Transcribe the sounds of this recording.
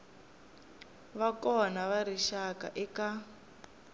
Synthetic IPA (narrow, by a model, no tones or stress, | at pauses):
βakɔnaβaɾiʃaka̰ʔɛka